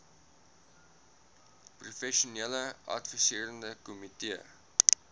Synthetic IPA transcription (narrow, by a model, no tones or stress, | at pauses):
prufɛʃuneləɐ̰tfisiəɾəndəkumitiə